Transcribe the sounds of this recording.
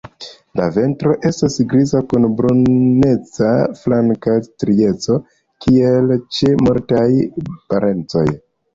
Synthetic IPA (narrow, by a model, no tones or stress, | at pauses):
la̰ve̞ntɾo̞ʔe̞stasɡɾizakunbɾonne̞t͡saflaŋkastɾie̞t͡so̞ | kielt͡ʃe̞moɾtajpaɾʔe̞nt͡so̞̰j